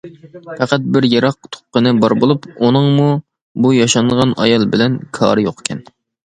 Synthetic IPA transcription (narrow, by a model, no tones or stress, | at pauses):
pʰæqæt̪̚bɪɾjɑɾɑq̚t̪ʰo̥q̚qːənɨbɑɾbolˠupunɨŋmu | bujɑʃɑɴʁɑnɑ̰jɑlˠbɪlɛnkʰɑ̰ːɾɨjoqkʲʰɛn